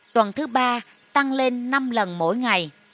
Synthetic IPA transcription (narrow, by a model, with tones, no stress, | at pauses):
t̪wə˨˩nt̪ʰɨ˨˦ɓaː˧ | t̪a˧ŋle˧nːa˧mlə˨˩nmo̰˧˥jŋa˨˩j